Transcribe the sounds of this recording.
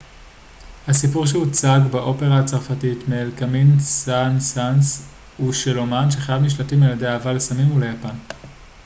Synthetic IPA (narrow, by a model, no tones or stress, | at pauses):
hasipuʁʃ̬ehut͡saɡbaʔo̞pe̞ʁaat͡saʁfatitmeːlkaminsansans | uʃelomanʃeχajavniʃ̬latimeladeaːvalesamimulejapan